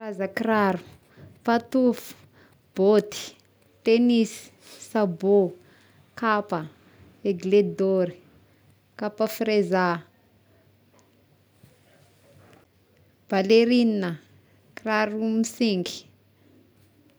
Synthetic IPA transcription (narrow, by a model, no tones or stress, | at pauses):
razakraɾu̥ | pat̪ufu̥ | b̥ot̪i̥ | t̪enisi̥ | sabo | kapə | eɡled̪oɾi | kapafɾeza | b̥aleɾininə | kraɾumisiŋɡi̥